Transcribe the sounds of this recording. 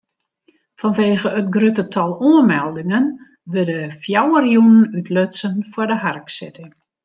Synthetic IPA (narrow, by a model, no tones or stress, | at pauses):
fɔnʋeːɣəətɡrøtətʰɔlˠuəmɛlˠdɪŋən | ʋødəfjawərjunənytløtsənfwʊdəɦarksɪtə